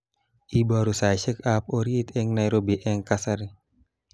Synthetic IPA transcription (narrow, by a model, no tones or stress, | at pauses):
ʔibaɾusajʃəkap̚oɾit̪ɛŋnajɾobiʔɛŋkasaɾi